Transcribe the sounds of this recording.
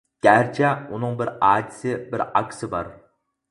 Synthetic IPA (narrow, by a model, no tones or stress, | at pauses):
ɡ̥ʲæɾt͡ʃʰɛunɨŋbɪɾɑːd̪ɪsɪbɪɾɑ̰kʲʰsɪbɑɾ